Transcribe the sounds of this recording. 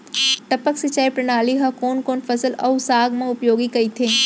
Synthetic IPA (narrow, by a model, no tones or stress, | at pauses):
ʈɐpəksɪt͡ʃaːipɾɐnaːliɦɐkoːnkoːnfɐsəlɐːsaːɡmãʊpjoːɡikɐit̪ʰeː